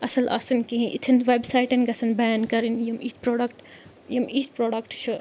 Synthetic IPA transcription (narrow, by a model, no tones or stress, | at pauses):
ɐsɐlʔɐ̰sɐnkiɦĩʔit̪ʰinʋebsaːjʈɐnɡɐsɐnbaːnkɐɾinjɐmit̪ʰpɾoːɖɐkʈ | jɐmit̪̚ʰpɾoːɖɐkʈʃu